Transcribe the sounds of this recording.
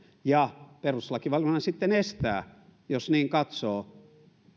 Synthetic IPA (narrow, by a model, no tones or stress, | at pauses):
jɑperuslɑkiʋɑljonɑsit̪ːenest̪æːjosniːŋkɑt̪soː